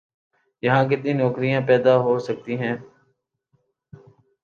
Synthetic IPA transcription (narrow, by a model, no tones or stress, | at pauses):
jɐɦãːk̬ɪt̪nĩːnɔːkɾijãːpɛːd̪aːɦoːsək̚t̪iːɦɛ̃ː